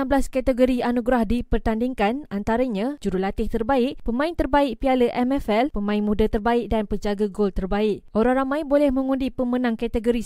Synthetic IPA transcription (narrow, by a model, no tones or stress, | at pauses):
amblaskat̪əɡoɾianuɡɾahdipərt̪andiŋkanant̪aɾaɲãd͡ʒuɾulat̪ɪht̪ərbaɪʔpəmãɪnt̪ərbaɪʔ̚pialəʔɛmɛfɛlpəmãɪnmudat̪ərbaɪk̚danpəɲd͡ʒaɡaɡolt̪ərbaɪʔ̚ʔoɾaŋɾamãjbolɛhmə̃ŋundipəmənãŋkat̪əɡoɾi